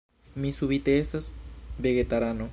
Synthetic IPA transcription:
misuβit̪eesasbeɣet̪aɾano

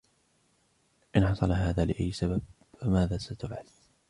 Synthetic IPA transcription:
ʔɪnħɑsˤɑlɦaːðaːlɪʔajːsabab̚ | famaːðaːsat̪ʊbʕal

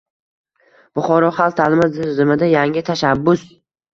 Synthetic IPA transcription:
b̥ʊχɒɾɒχalˠt̪ʰalɪmazɪɾzɪmɪd̪ajaŋɪt̪ʰaʃabːʊs

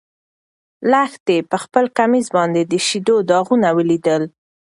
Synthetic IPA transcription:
laxt̪epəxpəlkamizbɑnd̪ed̪əʃid̪od̪ɑɣunawəlid̪əl

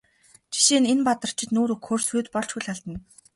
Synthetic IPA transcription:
t͡ɕʰi̥ʃiːnenpat̪ə̆r̥t͡ɕʰɪ̆t̪nuːɾɵkxorsuːt̪pɔɮt͡ɕɡujɮʲaɮt̪ə̆n

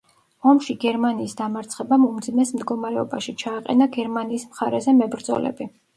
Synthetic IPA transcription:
ɔmʃiɡɛɾmaniːsd̪amaɾt̪sʰχɛbamɔmd̪zimɛsmd̪ɡɔmaɾɛɔ̰baʃit͡ʃʰaːqʼɛ̰naɡɛɾmaniːsmχaɾɛzɛmɛbɾd̪zɔ̰lɛ̰bi

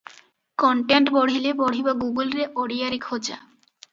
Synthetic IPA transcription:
kɔɳʈeɳʈbɔɽ̤ilebɔɽ̤ibaɡuɡulɾeʔoɽijaɾikʰod͡ʑa̰

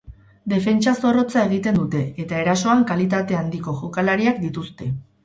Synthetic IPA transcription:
d̪e̞fe̞nt͡ʃaso̞ro̞t͡sae̞ɣ̞it̪e̞nd̪ut̪e̞ːt̪ae̞ɾaso̞aŋkalit̪at̪e̞and̪iko̞ʝokalaɾiakd̪it̪ust̪e̞

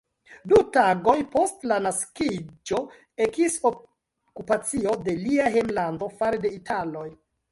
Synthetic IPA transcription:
dutaɡo̞jpo̞stlanaskid͡ʒo̞ | ekiso | kupat͡sio̞de̞liaɦemlando̞faɾede̞itʰalo̞j

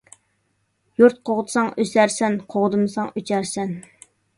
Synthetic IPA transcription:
juɾt̪̚qʰoʁt̪ʰɨ̥sɑŋøsæɾsɛnqʰoʁd̪ɨmɨsɑŋøt͡ʃʰæɾsɛn

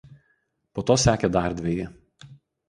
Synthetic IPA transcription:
poːt̪oːsʲæːkʲɛd̪ɑˑɾʲd̪ʲʋʲejɛ

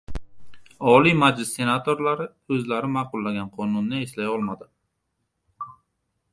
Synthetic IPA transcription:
ɒlimad͡ʒlɪsːe̞nat̪ʰoɾlaɾɪ | ɵzlaɾɪmaːqʊlˠːaɡʲanqʰɒnʊnːɪe̞slajɒlˠmad̪ɪ

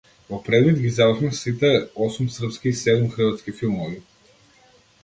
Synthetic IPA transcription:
vɔpɾɛd̪vid̪ɡizavərxmɛsit̪ɛɔsumsr̩pskiːsɛd̪umxr̩vat̪skifilˠmɔvi

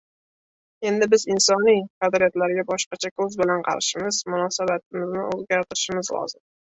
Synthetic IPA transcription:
e̞nd̪ɪbɪzɪnsɒnijqʰɑd̪ɾijat̪laɾɡʲabɒʃqɑt͡ʃʰakʰɵzbɪlanqʰɑ̰ɾɪʃɪmɪz̥mʊnɒsabat̪̚ʰɪmɪznɪɵzɡʲaɾt̪ʰɪɾɪʃɪmɪzlɒ̰zɪm

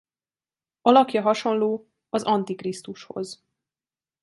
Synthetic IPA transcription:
ɒlɒkjɒɦɒʃo̞nloː | ɒzɒnt̪ikrist̪uʃho̞̰z

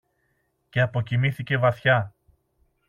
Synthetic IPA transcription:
ce̞ɐpo̞cimiθice̞vɐθçɐ

